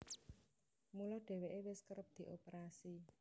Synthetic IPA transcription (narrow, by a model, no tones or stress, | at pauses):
mulɔɖ̥e̤weʔewɪskəɾəp̚d̪̥i̤ʔopeɾasi